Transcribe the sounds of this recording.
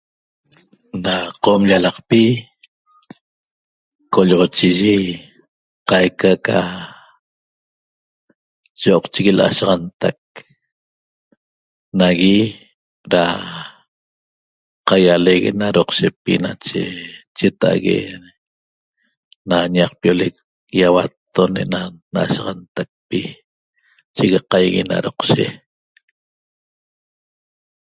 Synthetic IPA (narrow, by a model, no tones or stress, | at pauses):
naqomʎalɑqpi | koʎʁot͡ʃiʒi | qajkaka | t͡ʃoːqt͡ʃiɣilʔa̰ʃɑʁɑnt̪ak̚ | naɣi | ɾa | qajaleɣḛnaɾoqʃepinat͡ʃḛt͡ʃet̪a̰ɣḛ | naɲaq̚pjolek̚ | jawat̪ːoneʔnanaʔa̰ʃaʁɑnt̪ak̚pi | t͡ʃeɣeqajɣina̰ɾoqʃe